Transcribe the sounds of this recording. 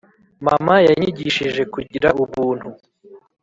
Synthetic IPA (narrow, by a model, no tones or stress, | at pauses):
mamajaɲiɟiʃiʒe̞kuɟiɾauβuːn̥hu